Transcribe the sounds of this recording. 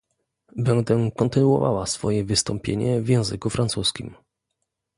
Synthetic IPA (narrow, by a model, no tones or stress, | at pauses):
bɛnd̪ɛkɔnt̪ɘnuwɔ̰va̰wasfɔjɛvɘst̪ɔmpʲjeɲɛvjɛ̃w̃zɘkufɾant̪suskʲḭm